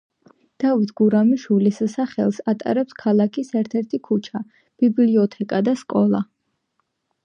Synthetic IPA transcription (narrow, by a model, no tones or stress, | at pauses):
d̪̥avit̪ʰɡuɾamiʃwilissaχɛ̰lˠsat̪ʼa̰ɾɛpskʰalˠakʰisɛɾt̪ʰɛɾt̪ʰikʰut͡ʃʰa | b̥ibliɔt̪ʰɛkʼad̪askʼɔlˠa̰